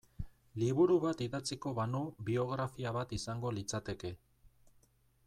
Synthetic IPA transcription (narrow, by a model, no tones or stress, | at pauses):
liβ̞uɾuβat̪iðat͡siko̞βanoβio̞ɣ̞ɾafiaβat̪isaŋɡo̞lit͡sat̪e̞ke̞